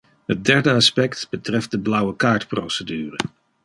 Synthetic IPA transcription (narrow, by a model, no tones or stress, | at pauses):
ɦət̚dɛɹdəɑspɛktb̥ətrɛft̚dəblʌwəkaːɹtprowsədyːrə